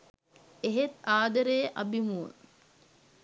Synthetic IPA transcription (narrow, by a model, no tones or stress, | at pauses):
eɦet̪aːd̪ɐɾejʔɐbimuːn